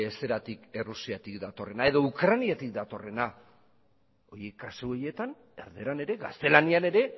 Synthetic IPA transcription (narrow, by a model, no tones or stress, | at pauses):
ese̞ɾat̪ikerusiat̪ikd̪at̪o̞re̞nae̞ðo̞ukɾaniat̪ikd̪at̪o̞re̞na | ojekːasuoje̞t̪an | eɾðeɾane̞ɾe̞ɣa̰st̪e̞laniane̞ɾe̞